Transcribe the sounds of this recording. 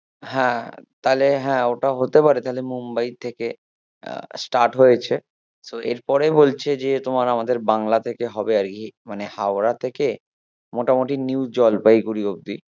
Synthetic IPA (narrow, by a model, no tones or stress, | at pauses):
ɦɛ̃t̪aɦleɦɛ̃oʈaɦot̪epaɾet̪aɦolemumbait̪ʰekḛ | sʈaɾʈɦojet͡ɕʰe | soḛɾpɔɾebolt͡ɕʰed͡ʑet̪omaɾamad̪eɾbaŋlat̪ʰekeɦɔbeaɾkimanehaoʊɾat̪ʰeke | moʈamoʈiniwd͡ʑɔlpajɡuɾiob̚d̪i